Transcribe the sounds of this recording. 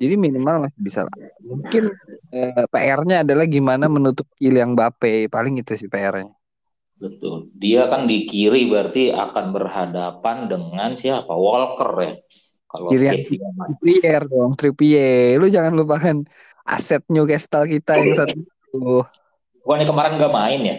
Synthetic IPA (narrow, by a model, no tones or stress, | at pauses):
d͡ʒadiminimalmasɪbisa̰la̰muŋkɪnəpaʔɛrɲaːdalahɡimanamənut̪ʊp̚kilijaŋbapɛjpalɪŋɡit̪usɪhpaɛrɲa | bət̪ʊldiakandikiɾibɾart̪ia̰kanbərhadapandəŋansiaapa̰wɔlkə̰rja̰ | kaloilijaŋaaipiɛrdɔŋt̪ɾipiɛlʊd͡ʒaŋanlupaŋan | ʔa̰sɛt̪̚ɲukɛst̪alkit̪ajaŋsat̪uit̪u | bukanakəmaɾɛnɡamaɪnja